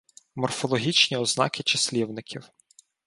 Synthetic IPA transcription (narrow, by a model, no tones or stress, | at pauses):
mɔrfɔlˠɔɦʲit͡ʃnʲiɔznɑ̰kɪt͡ʃɐslʲiwnɪkʲʰiw